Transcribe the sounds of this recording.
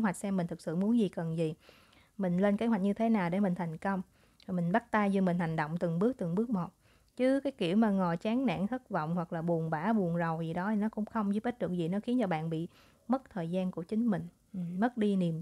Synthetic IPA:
ɦwa˨˩k̟̚sɛ˧mːi˨˩ŋ̟t̪ʰɨ˨˩k̚sɨ̰˧˨mu˨˦ənzi˨˩kə˨˩nzi˨˩ | mï˨˩ŋ̟le˧nke˨˦hɦwk̟̚ɲɨ˧t̪ʰe˨˦naː˨˩wɗe˧˩mï˨˩ŋ̟t̪ʰa˨˩jŋ̟kə˧wŋ͡m | za˨˩mï˨˩ŋ̟ɓa˦˥t̚t̪aː˧jzi˧˩mï˨˩ŋ̟ha˨˩ŋ̟ɗo̰˧˨wŋ͡mt̪ɨ˨˩ŋɓɨ˦˥ək̚t̪ɨ˨˩ŋɓɨ˦˥k̚mo˨˩t̚ | t͡ɕɨ˨˦kaː˨˦jki˧˩˨əwmaː˨˩ŋɔ˨˩t͡ɕaː˨˦ŋna̰ː˧˨ŋt̪ʰə˦˥k̚vɔ̰˧˨wŋ͡mhwa˨˩k̚laː˨˩ɓu˨˩ənɓaː˧˩ɓu˨˩ənzə˨˩wzi˨˩ɗɔ˨˦tʰi˨˩nɔ˨˦kʊ̰˧˥ŋ͡mxə˧wŋ͡mzɨ˧˦˥pʔe˦˥t̚ɗɨ˨˩ək̚zi˨˩nɔ˨˦xi˨˦nt͡ɕɔ˧ɓa̰ː˧˨nɓḭ˧˨ | mə˦˥t̚t̪ʰəː˨˩jzaː˧nku˧˩ət͡ɕï˨˦ŋ̟mï˨˩ŋ̟˨˩ | mə˦˥t̚ɗi˧ni˨˩əm

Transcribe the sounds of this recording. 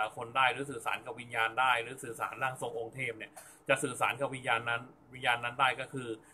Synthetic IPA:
a˨˦kʰo˧ndaː˥˩jɾɯː˨˩˦s̬ɯː˨˩sa̰ː˩˦nka˧wi˧njaː˧ndaː˥˩jɾɯː˩˦sɯː˨˩sa̰ː˩˦nlaː˥˩ŋso˧ŋʔo˧ŋt̪ʰeː˥˩p̚ni˥˩ɐ | t͡ɕa˨˩ʔsɯː˨˩saː˩˦nka˧wi˧njaː˧nːa˦˥n | wi˧njaː˧nːa˦˥ndaː˥˩jkɔ˥˩kʰɯː˧

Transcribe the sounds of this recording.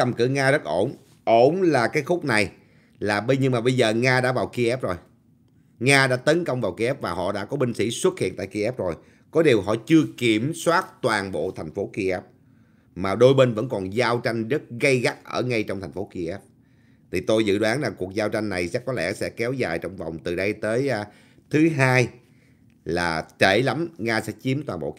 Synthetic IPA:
ə˧˩mkɨ̰˧˩ŋaː˧zə˦˥t̚ʔo˧˩n | ʔo˧˩nlaː˨˩kaː˨˦jxʊ˦˥k͡p̚na˨˩j | laː˨˩ɓə˧jɲɨ˧ŋmaː˨˩ɓə˧jzəː˨˩ŋaː˧ɗa̰ː˧˥vaː˨˩wki˧ʔɛ˦˥p̚zo˨˩j | ŋaː˧ɗa̰ː˧˥t̪ə˨˦nkə˧wŋ͡mvaː˨˩wki˧ʔɛ˦˥p̚vaː˨˩ɦɔ̰˧˨ɗa̰ː˧˥kɔ˨˦ɓï˧ŋ̟sḭ˧˥swə˦˥t̚hḭ˧˨ənt̪a̰ː˧˨jki˧ʔɛ˦˥p̚zo˨˩j | kɔ˨˦ɗi˨˩əwɦɔ̰˧˨t͡ɕɨ˧əki˧˩əmswaː˦˥t̚t̪waː˨˩nɓo̰˧˨t̪ʰɛ˨˩ŋ̟fo˨˦ki˧ʔɛ˦˥p̚ | maː˨˩ɗo˧jɓe˧nvə̰˧˥nkɔ˨˩nzaː˧wt͡ɕa˧jŋ̟zə˦˥t̚ɣə˧jɣa˦˥k̚ʔəː˧˩ŋa˧jt͡ɕwŋ͡mt̪ʰɛ˨˩ŋ̟fo˨˦ki˧ʔɛ˦˥p̚ | t̪ʰi˨˩t̪o˧jzɨ̰˧˨ɗwaː˨˦nzaː˨˩ku˨˩ək̚zaː˧wt͡ɕa˧jŋ̟na˨˩jsɛ̰˧˥kːɔ˨˦lɛ̰˧˥sɛ̰˧˥kɛ˨˦wzaː˨˩jt͡ɕɔ˧wŋ͡mva˨˩wŋ͡mt̪ɨ˨˩ɗə˧jt̪əː˨˦j | t̪ʰɨ˨˦ɦaː˧j | laː˨˩t͡ɕe˧˩la˨˦mŋaː˧sɛ̰˧˥t͡ɕi˨˦əmt̪waː˨˩nɓo̰˧˨

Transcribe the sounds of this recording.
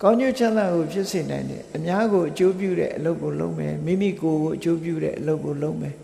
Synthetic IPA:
kã˦ʊ̃ɲo˦˨t͡ɕʰã˦nd̪a˦˨ɡo˨pʰjɪ˦ʔse˨nã˨ɪ̃ndɛ̰̃˦ʔəmja˦ɣo˨ʔət͡ɕo˦p̬jṵ˦˨ɾɛ̰˦˨ʔəlo˦ʊkːo˨lo̰˦ʊʔmɛ̰˨mḭ˦˨mḭ˦˨ko˨ɣo˨ʔət͡ɕo˦pjṵ˦˨ɾɛ̰˦˨ʔəlo˦ʊkːo˨lo˦ʊʔmɛ˨

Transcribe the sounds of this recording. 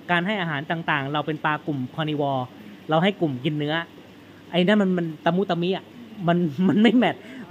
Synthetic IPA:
kaː˧nha˥˩jʔaː˧ɦaː˩˦nt̪aː˨˩ŋt̪aː˨˩ŋɾa˧wpe˧npaː˧ku˨˩mkʰɔː˧niː˧wɔː˧ɾa˧wɦa˥˩jku˨˩mji˧nːɯ˦˥ɐ | ʔa˧jna˦˥˨ma˧nma˧nt̪a˧mu˥˩t̪a˧mːiː˦˥˩ʔa˨˩ma˧nma˧nma˥˩jmɛ˨˩t̪̚

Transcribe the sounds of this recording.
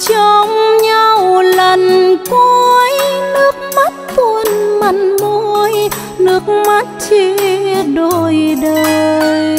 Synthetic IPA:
t͡ɕɔ˧ŋ͡mɲa˧wlə˨˩nko˧jnɨ˦˥ək̚ma˦˥t̚t̪u˧˩ənma˧˨˩nmo˧˦j | nɨ˦˥ək̚ma˦˥t̚t͡ɕi˧ɗo˧˩jɗə˧jj

